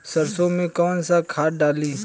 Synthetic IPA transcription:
səɾsõmẽkɔːnsakʰaːʈɖaːliː

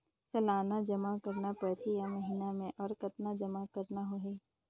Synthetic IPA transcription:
sɐlaːnad͡ʒɐmakɐɾnapɐt̪ʰijaməɦiːnamẽʔɔːɾkɐt̪nad͡ʒɐmakɐɾnaɦoɦeː

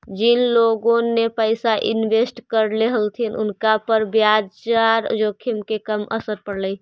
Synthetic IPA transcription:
d͡ʒinloɡõnepəɪsaʔḭnbesʈkəɾleɦəlt̪ʰinʔʊ̰nkapəɾbjad͡ʒt͡ʃaɾd͡ʒokʰimkekəmə̰səɾpəɽləj

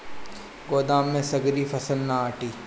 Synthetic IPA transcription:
ɡoːd̪aːmːẽsɐɡɾifɐsəlnaaːʈiː

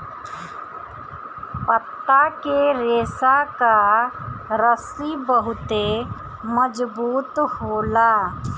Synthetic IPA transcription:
pət̪ːakeɾeːsaka | ɾəsibəɦʊt̪e | məd͡ʒbuːt̪hoːlaː

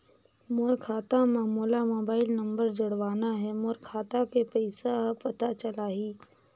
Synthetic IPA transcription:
moɾkʰaːt̪ãmaːmuːlamoːbaːɪlnɐ̃mbəɾd͡ʒɐɽʋaːnaɦɛmoːɾkʰaːt̪akepəɪsapɐt̪at͡ʃɐlaːɦiː

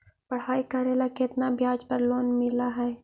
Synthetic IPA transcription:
pɐɽ̤aːikaːɾeːlaket̪nabʱjaːd͡ʒpɐɾloːnmɪlaɦɛː

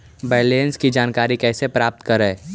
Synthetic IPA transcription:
bɛːleːnskid͡ʒaːnkaːɾikɛːsepɾaːp̚t̪kəɾɛː

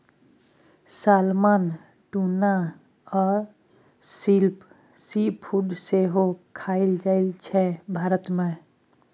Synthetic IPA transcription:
saːlmaːn | ʈuna | ɔːɾ | silp | sipʰːuɖseɦokʰaɪld͡ʒaɪlt͡ʃʰɛbʱaːɾət̪mẽ

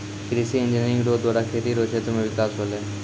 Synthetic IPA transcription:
kɪɾisiɪ̃nd͡ʒineɾɪ̃ŋɡɖoːd̪waːɽaːkʰeːt̪iɾoːt͡ʃʰeːt̪ʊmẽʋɪkaːsboːleː

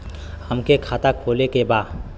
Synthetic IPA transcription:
həmkekʰaːt̪akʰoːlekebaːd̪

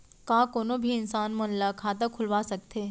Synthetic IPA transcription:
kakoːnobʱiɪnsaːnmənlakʰaːt̪əkʰʊlʋasək̚t̪ʰe

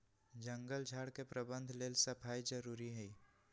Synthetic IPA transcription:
d͡ʒə̃ŋɡəld͡ʒʱaːɽkepɾəbə̃nd̪ʱleːlsɐpʰaːid͡ʒəɾuːɾiɦɛi

